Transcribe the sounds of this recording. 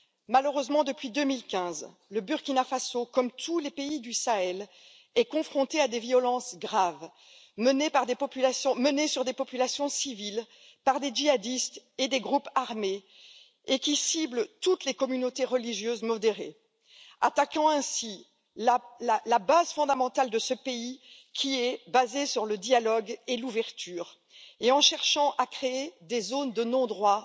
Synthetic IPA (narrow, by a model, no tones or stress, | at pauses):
maləʁøzmɑ̃d̪əpɥid̪ømilkʲɛ̃z | ləbyʁkʲinafasokɔmt̪ulepeid̪ysaɛl | ɛkɔ̃fχɔ̃t̪ead̪evijɔlɑ̃sɡʁav | mənepaʁd̪epɔpylasjɔ̃mənesyʁd̪epɔpylasjɔ̃sivil | paʁd̪ed͡ʒiad̪ist̪ed̪eɡʁupaʁme | ekʲisiblt̪ut̪lekɔmynot̪eʁəliʒjøzmɔd̪eʁe | a̰t̪akɑ̃ɛ̃si | lalalabazfɔ̃d̪amɑ̃t̪ald̪əsəpei | kʲʰiɛbazesyʁləd̪jalɔɡeluvɛʁt̪yːʁ | eɑ̃ʃɛʁʃɑ̃ʔakχeed̪ezond̪ənɔ̃d̪ʁwa